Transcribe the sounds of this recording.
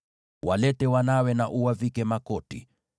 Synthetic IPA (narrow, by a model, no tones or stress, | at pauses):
wʔalɛtɛwanawɛnaʔuwavikɛmakɔti